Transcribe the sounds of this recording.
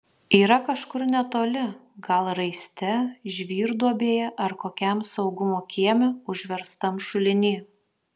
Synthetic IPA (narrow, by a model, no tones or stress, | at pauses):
iːɾɐkɐʃkʊɾnʲɛt̪oːlʲɪ | ɡɐlˠɾɐɪsʲt̪ʲɛʒʲʋʲiːɾd̪uɔbʲeːjɛʔɐɾkoːkʲɛmsɒʊɡʊmoːkʲiɛmʲɛʊʒʲʋʲɛɾst̪ɐmʃʊlʲɪnʲiː